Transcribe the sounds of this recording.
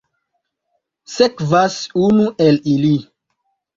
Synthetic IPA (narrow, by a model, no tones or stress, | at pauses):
sekvasunuʔelili